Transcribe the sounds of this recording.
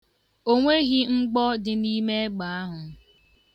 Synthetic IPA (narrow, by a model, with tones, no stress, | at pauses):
o˦ŋʷe˦ɣi˦ŋ͡m̩˦ɡ͡bɔ˦dɪ˨ni˦me˦ɡ͡ba˨a˦ɦʊ˨